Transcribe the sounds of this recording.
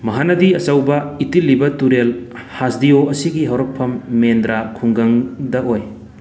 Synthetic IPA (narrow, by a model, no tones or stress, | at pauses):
mɐɦanɐdiɐsɐwbɐitilːibɐtuɾel | hasdioɐsiɡiɦɐwɾɐk̚pʰːɐmːendɾakʰuŋɡɐŋdɐoj